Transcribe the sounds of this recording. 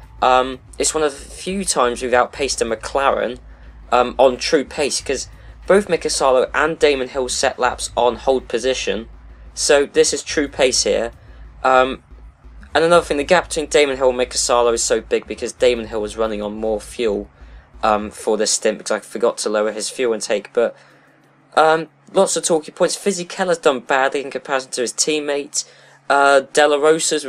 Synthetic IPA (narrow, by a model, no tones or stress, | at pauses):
ʔʌ̃m | ɪtswʌ̃nʌvəfjʉːtʰãɪ̃mzwɨðaʊt̚pʰeɪstə̃ŋməkʰl̥aɹə̰̃n | ʔʌ̃mə̃ntʰɹ̥ʉːpʰeɪskʰʌz | b̥oʊθmɪkəsɑːlˠəʊʔə̃ndẽɪ̃mə̃nɦɪlˠsɛ̰ʔla̰psn̩hoʊlˠd̚pʰəzɪʃə̰̃nsoʊðɪsɨz̥tʰɹ̥ʉːpʰeɪshɪəʔʌ̃m | ə̃nənʌðəθɪ̃ŋðɨɡap̚ətʰĩndẽɪmə̃nɦɪlˠmɪkʰə̥sɑːlˠəʊɨz̥soʊbɪɡ̚bɨkʰʌzdẽɪmə̃nɦɪlˠwəzɹʌnɪ̃ŋə̃nmɔːfjuːlˠʔʌ̃mfə˞ðɪstɪ̃mb̥ɨkʰʌzaɪfəɡɒtʰəloʊəɪz̥fjʉːlˠə̃ntʰeɪkb̥ʌt | ʔʌ̃m | lɒtsətʰɔˑkɪ̃ŋpʰɔ̃ɪ̃ntsfɪzikʰɛlˠəzdʌ̃nbadˡliɨ̃nkʰə̃m̩pʰæɹsn̩tʰəɨz̥tʰĩːmeɪt | ʌd̥ɛlˠəɹoʊsəz